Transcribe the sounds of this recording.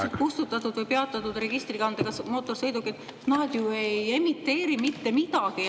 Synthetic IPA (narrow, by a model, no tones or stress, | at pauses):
set̪̚kust̪ut̪ːɑt̪ːˑud̪̥vɤjpe̞ɑt̪ːˑɑt̪ːud̪re̞ɡ̥ist̪riɡɑnd̪eɡ̥ɑsmot̪ːˑo̞rsɤ̞jd̪ukːiet̪ːˑ | nɑːd̪̥ʲjueje̞mit̪ːe̞ːɾimit̪ːe̞mid̪ɑɡ̥i